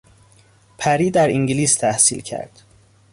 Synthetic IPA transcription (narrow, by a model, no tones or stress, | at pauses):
pʰæɾiːd̪æɾiŋɟiliːst̪ʰæhsḭːlcʰæ̰ɾd̪̥